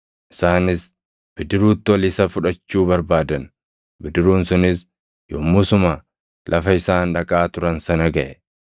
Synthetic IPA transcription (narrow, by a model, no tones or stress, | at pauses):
ʔɪ̥saːnɪs | b̥ɪd̪ɪɾuːt̪ːɪɔliːsɐfʊᶑɐt͡ʃːuːbɐɾbaːd̪ɐn | bɪd̪ɪɾuːnsʊnɪs | jɔmːʊsʊmaː | lʔɐfɐɪsaːnᶑɐkʼaːt̪ʊɾɐnsɐnɐɡɐʔɛ